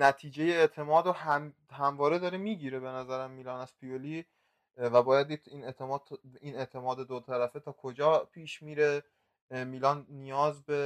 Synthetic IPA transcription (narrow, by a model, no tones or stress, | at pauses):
næt̪ʰiːd͡ʒe̞jeːt̪ʰe̞mɒːd̪ɾohæ | hæmvɒːɾe̞d̪ɒːɾemiːɟiːɾe̞be̞næzæɾæmːiːlɒːnæz̥pʰioli | væbɒːjæd̪̚ːiːiːnet̪ʰemɒːd̪ine̞ʔt̪ʰe̞mɒːd̪ed̪ot̪ʰæɾæfet̪ʰɒːkʰod͡ʒɒːpʰiːʃmiːɾe̞ | miːlɒːnːijɒːzbe̞